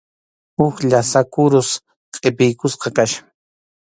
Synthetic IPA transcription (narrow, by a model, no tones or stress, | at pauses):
ʊxʎasakʊɾʊs | qʼepɪjkʊsqɑkaʃḁ